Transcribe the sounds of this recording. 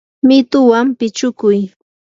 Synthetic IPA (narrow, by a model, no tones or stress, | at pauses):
mɪt̪ʊwampɪt͡ʃʊkʊj